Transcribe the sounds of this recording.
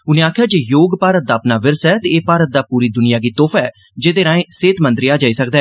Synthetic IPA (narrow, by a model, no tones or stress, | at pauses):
ʊnẽːaːkʰjaːd͡ʒeːjoːɡpaːɾət̪̚d̪aːpnaːʋɪɾsɛːt̪eːeːpaːɾət̪̚d̪aːpuːɾiːd̪ʊnɪjaːɡiːt̪oːpʰɛː | d͡ʒeːd̪eːɾãːẽːseːt̪mə̃nd̪ɾiaːd͡ʒaːiːsək̚d̪ɛː